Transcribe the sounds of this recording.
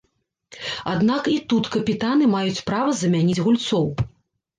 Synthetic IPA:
ad̪nakit̪ut̪kɐpʲit̪anɨmajut͡sʲpɾavɐzɐmʲanʲid͡zʲɣulʲt̪sɔw

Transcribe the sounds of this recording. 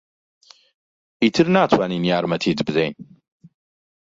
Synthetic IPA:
itʰɨrnaːtʰwaninjaːɾmɐtʰiːdbzejn

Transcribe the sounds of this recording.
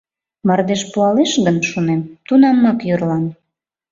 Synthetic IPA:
mərd̪eʃpuɑleʃɣənʃunemt̪unɑmːɑkjyrlɑn

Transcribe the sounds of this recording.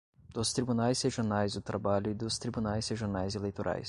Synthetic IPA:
d̪̥ʊst̪ɾibunajseʒonajzʊt̪ɾabaʎʊid̪ʊst̪ɾibunajseʒoɾnajzelejt̪oɾʔa̰js

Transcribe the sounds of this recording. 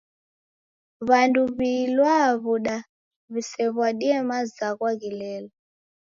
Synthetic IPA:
βanduβilwaβuɗa | βisɛβwaɗiɛmazakwaɣilɛlɔ

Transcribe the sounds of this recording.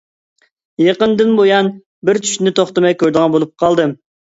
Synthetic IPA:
jeqənd̪ɪnbojɑn | bɪɾt͡ʃʰy̥ʃɪnɪt̪ʰoχt̪ɨmɛjkʲʰøɾd̪ɨʁɑnbolˠup̚qʰɑlˠd̪ɨ

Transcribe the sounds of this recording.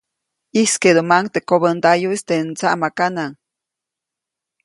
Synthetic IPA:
isked̪omaŋt̪ekoβənt̪ajuist̪eʔnt͡saʔmakanaŋ

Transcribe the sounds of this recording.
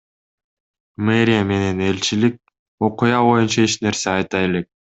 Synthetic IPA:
meɾʲijeme̞ne̞ne̞lʲt͡ʃilik̚ | o̞qujɑβo̞junt͡ʃɑe̞t͡ʃne̞ɾse̞ɑjt̪ɑje̞le̞k̚

